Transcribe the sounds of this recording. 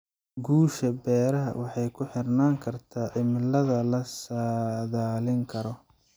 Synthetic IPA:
ɡuːʃɐbɛːɾɐɦɐ̰wɑħɑjkʰʊħɪrnaːŋkʰɐrt̪ʰaːʕɪmɪlɐðɐlɐsaðaːlɪŋkʰɐɾɔ

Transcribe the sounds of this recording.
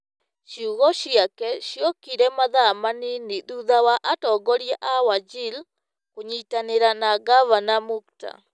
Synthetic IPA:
ʃiuɣɔɕiakɛɕjɔkiɾɛmaðamaniniðuðawaʔatɔɡɔɾjɛʔawad͡ʒil | koɲitaneɾanaɡavanamukta̰

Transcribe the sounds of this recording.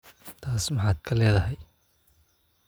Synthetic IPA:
t̪ʰaːsmɑħɑːd̪kʰɐlɛːðɐɦɛj

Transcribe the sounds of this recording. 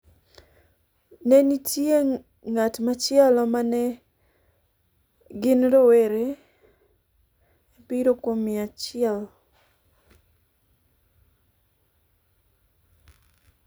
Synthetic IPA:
nɛnitje | ŋatmat͡ʃɪɛlɔmanɛ | ɡɪnɾoweɾe | piɾokomiat͡ʃɪɛl

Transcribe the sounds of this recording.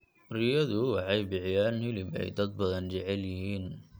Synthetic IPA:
rɪjɐðʊwɑħɑjbɪʕjaːnhɪlɪbɛ̰jd̪ɐd̪̚bɐðɐnt͡ʃɛʕɛljɐɦiːn

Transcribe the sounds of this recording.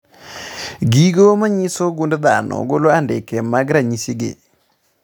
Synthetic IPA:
ɡiɡomaɲisoɡundd̪anɔ̰ɡoloandɪkɛmaɡɾaɲisiɡḛ

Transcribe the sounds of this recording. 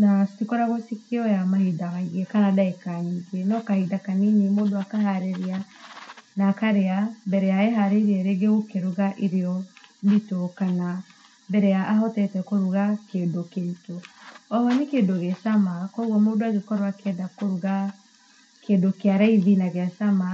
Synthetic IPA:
nastikɔɾaɣosikiɔjamahidamaiɣɛkaɾadaekaiŋɡenɔkahidakaniɲimoːdoakaɦaɾeɾia | naːkaɾeabɛɾɛjaeɦaɾeɾiɛɾeɡeɣokeɾuɣaʔeɾeɔditokana | bɛɾɛjaʔːɦɔtɛtɛkoɾuɣakeːndokeitoɔhɔnekeːdoɣesamakɔuɣɔmoːdoaɣekɔɾoakɛdakoɾuɣa | keːndokeaɾaiðinaɣeasama

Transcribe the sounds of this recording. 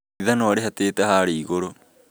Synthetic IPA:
iðanɔaɾeɦateːtɛhaɾeːɣoɾo

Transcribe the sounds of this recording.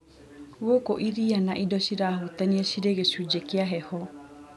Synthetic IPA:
ɣokoʔiɾianaʔidɔɕiɾaːɦutaniɛɕiɾeɣeɕud͡ʑekeaɦɛhɔ

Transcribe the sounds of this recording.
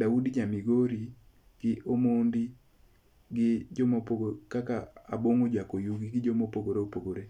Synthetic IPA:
daudid͡ʒamiɡoɾi | ɡ̥ɪʔomondi | ɡɪd͡ʒomopoɡokakaa̰boŋod͡ʒakojuɡiɡɪd͡ʒomopoɡoɾeopoɡoɾe

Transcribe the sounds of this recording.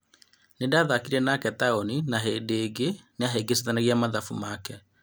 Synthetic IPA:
nedaːðakiɾɛnakɛtaoninaɦeːndeːɡeneaɦeɡes̬etanaɣiamaðafumakɛ

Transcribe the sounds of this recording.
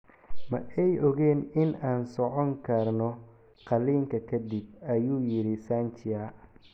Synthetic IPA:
mɐ̰ɛjʔɔɣɛːnɪnaːnsɔʕɔŋkʰɐrnɔ | qɑliːŋkʰɐkʰɐd̪ɪb̚ɐjuːjɪɾɪsaːnt͡ʃɪja

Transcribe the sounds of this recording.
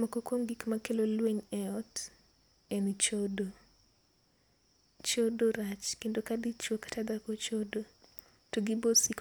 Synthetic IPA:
mɔkokwoŋɡikmakelolweɲɛɔt | ent͡ʃodo | t͡ʃodoɾat͡ʃkendokadit͡ʃokḁtad̪akot͡ʃodo | toɡɪbosik

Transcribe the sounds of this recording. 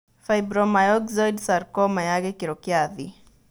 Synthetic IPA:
fajbɾɔmajɔɡzɔjdsarkɔmajaɡɛkiɾɔkjaði

